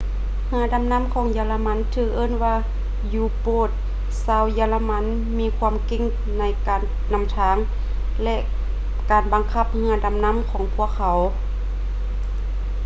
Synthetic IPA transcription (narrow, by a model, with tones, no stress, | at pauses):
hɯ˧˥ɐ˨da˨˧˦mna˧˥˨mkʰɔː˨˦ŋjaː˧la˧ma˧˥˨nt̪ʰɯː˧˥ʔɤː˧˥˨nwaː˧ | juː˧˩poː˧˩t̪̚ | saː˧˥˨wjaː˧la˧ma˧˥˨n | miː˧˥kʰwaː˧˥˨mke˧˨ŋ | na˧˥˩jkaː˨nːa˧˩˨mt̪ʰaː˨˧˦ŋ | lɛ˧ʔ | kaː˨˩nba˨ŋkʰa˧˩p̚hɯ˧˥ɐda˨˦mna˧˥˨mkʰɔː˨˦ŋpʰu˧˥˩əkʰːa˨˩˦w